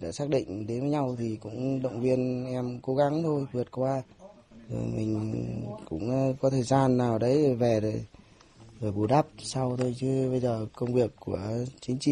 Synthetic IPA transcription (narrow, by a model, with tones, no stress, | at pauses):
ɗa̰ː˧˩saː˦˥k̚ɗḭ̈˧˨ŋ̟ɗe˨˦nvəː˨˦jɲa˧wt̪ʰi˨˩kʊ̰˧˥ŋ͡mɗə̰˧˨wŋ͡mvi˧ənʔɛ˧mko˨˦ɣa˨˦ŋt̪ʰo˧jvɨ˨˩ət̚kwaː˧ | zo̰˨˩jmï˨˩ŋ̟kʊ̰˧˥ŋ͡mkɔ˨˦t̪ʰəː˨˩jzaː˧nːaː˨˩wɗə˨˦jvɛ˨˩ɾə˨˩j | zəː˨˩jɓu˨˩ɗa˦˥p̚sa˧wt̪ʰo˧jt͡ɕɨ˨˦ɓə˧jzəː˨˩kə˧wŋ͡mvi˨˩əkːu˧˩ət͡ɕï˨˦ŋ̟t͡ɕḭ˧˨